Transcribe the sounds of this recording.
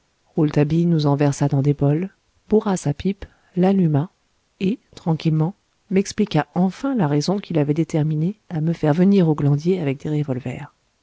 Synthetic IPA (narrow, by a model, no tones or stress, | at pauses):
ʁult̪abinuzɑ̃vɛʁsad̪ɑ̃d̪ebɔl | buʁasapip | lalyma | et̪χɑ̃kʲilmɑ̃ | mɛksplikaɑ̃fɛ̃laʁezɔ̃kʲilavɛd̪et̪ɛʁmineaməfɛʁvəniʁoɡlɑ̃d̪jeavɛk̚d̪eʁevɔlvɛ̰ːʁ